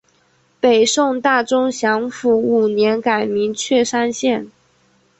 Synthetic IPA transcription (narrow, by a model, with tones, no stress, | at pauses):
pe˨˩ɪʂʊ˥˧ŋt̪a˥˩ʈ͡ʂʊ˥ŋɕjɑ˧˥ŋfu˧˥u˨˩njɛ˧˥nka˨˩ɪmi˧˥ŋt͡ɕʰɥɛ˥˩ʂa˥nɕjɛ˥˩n